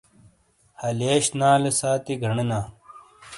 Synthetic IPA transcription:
hɐleːɕnaːlesaːt̪iɡʱɐɳinaː

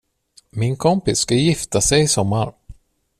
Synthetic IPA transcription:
mɪnkʰɔmpɪsːkajɪft̪asɛjɪsɔmːaɾ

